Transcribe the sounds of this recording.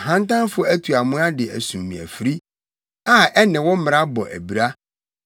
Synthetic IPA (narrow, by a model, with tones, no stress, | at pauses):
ɦã˦n˦tã˦nfʊ˦æ˦tʰu˨a˨mʊ̃˦a˦dɪ˨æ̰˨sũ˨mːĩ˨æ̰˨fɾi˦ | a˦ɛ˦nɪ̃˨wɔ˦m̩˦mɪ̃˨a˦bɔ˨ʔæ̰˨bi˨ɾa˦